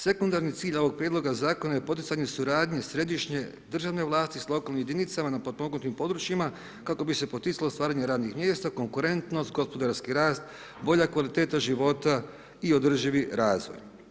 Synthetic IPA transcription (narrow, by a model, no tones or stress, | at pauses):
se̞kund̪aɾnit̪siːʎo̞ʋo̞ɡ̚pɾjed̪lˠo̞ɡazaːko̞naje̞po̞t̪̬it̪saɲe̞suɾaːd̪ɲe̞sɾe̞d̪iʃɲe̞ | d̪r̩ʒaʋne̞ʋlˠaːst̪islˠo̞kalnimjed̪init̪samanapod̪moɡnut̪impo̞d̪ɾut͡ʃjima | kako̞bise̞po̞t̪it̪salost̪ʋaːɾaɲeɾaːd̪nixmje̞ːst̪ako̞ŋkuɾe̞nt̪no̞st̪ɡo̞spo̞d̪aɾskiɾaːst̪ | bo̞ʎakʋalit̪eːt̪aʒiʋo̞t̪a | io̞d̪r̩ʒiʋiɾaːzʋo̰j